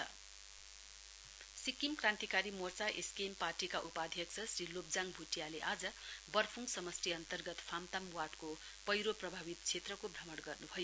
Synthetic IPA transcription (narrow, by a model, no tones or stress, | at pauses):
ʌ | sikimkrãnt̪ikaɾimort͡saʔeskemparʈikaʔupad̪ʱjʌksʰʌsrilop̚d͡zaŋbʱuʈjaleʔad͡zʌbʌrpʰuŋsʌmʌst̪ʰiʌnt̪ʌrɡʌt̪pʰamt̪amwarʈko | pʌjɾoprʌbʱabit̪t͡sʰet̪rʌkobʱrʌmʌɽɡʌrnubʱʌjo